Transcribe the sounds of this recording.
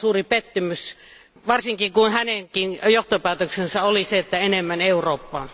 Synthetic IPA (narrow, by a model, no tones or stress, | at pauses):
suːripet̪ːymys | ʋɑrsiŋkiŋkunhæneŋkinjoht̪opæːt̪øksensɑoliseet̪ːæenemːæneuroːpːɑːn